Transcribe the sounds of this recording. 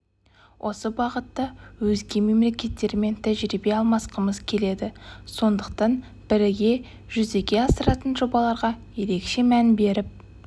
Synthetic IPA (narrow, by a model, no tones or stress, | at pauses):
wʔo̞səbɑʁət̪ːɑwɵzɡʲe̞me̞mle̞kʲe̞t̪ːe̞ɾɪme̞nt̪ʰæʒɾibe̞ɑlˠmɑsqəməz̥kʲʰe̞le̞d̪ɪso̞nd̪əq̚t̪ɑn | b̥ɪɾɪɡʲe̞ | ʒ̥ʏze̞kʲe̞ɑsəɾɑt̪ənʒo̞bɑlˠɑɾʁɑje̞ɾe̞kʃe̞mænbe̞ɾɪp̚